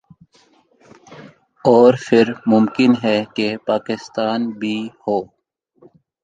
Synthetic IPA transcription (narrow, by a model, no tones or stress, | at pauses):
ɔːɾfʰɪɾmʊmkɪnɦɛkepaːkɪst̪aːnbʱihoː